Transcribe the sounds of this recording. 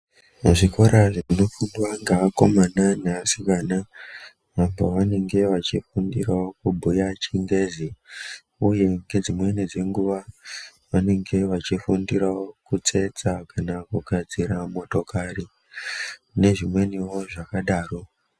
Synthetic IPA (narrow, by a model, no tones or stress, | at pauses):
uʐikʰo̞ɾaʐeino̞fundwaŋɡaako̞mananasikana | ʋamboʋane̞ŋɡe̞ʋat͡ʃifundirawo̞kubʱujat͡ʃiŋɡe̞zi | uje̞ŋɡe̞d͡zimwenid͡ze̞ŋɡuʋa | ʋane̞ŋɡe̞ʋat͡ʃifundiɾawo̞kut͡se̞t͡sakanakuɡʱad͡ziramo̞to̞kari | ne̞ʐimwe̞niwo̞ʐakaɗaːro̞